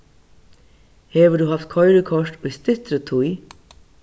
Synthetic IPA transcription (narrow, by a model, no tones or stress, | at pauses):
heːʋəɖʉːhɑft̪̚kʰɔʏɾəkʰɔʃʈoːist̪ɪt̪ɾət̪ʰuʏ